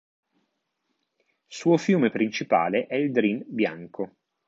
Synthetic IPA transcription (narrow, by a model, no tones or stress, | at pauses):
suːofjuːmepɾint͡ʃipa̰ːleʔɛild̪ɾinbjaŋkʰo